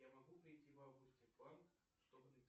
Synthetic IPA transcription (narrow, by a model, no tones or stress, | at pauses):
jamɐɣupɾʲɪjtʲivawɡusʲtʲɛplˠank | ʂt̪ɔbnɨt̪